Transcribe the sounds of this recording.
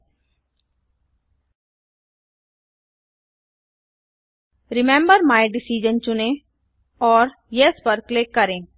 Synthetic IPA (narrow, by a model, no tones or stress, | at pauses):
ɾɪmɛ̃mbəɾmaːjɖɪsiːd͡ʒənt͡ʃʊnẽ | ɔːɾ | jespəɾkleːkəɾẽː